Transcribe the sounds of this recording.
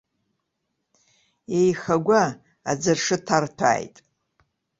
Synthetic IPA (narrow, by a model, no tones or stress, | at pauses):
ejxaɡʷa | ad͡zɨrʂɨtʰartʷʰa̰ːjtʼ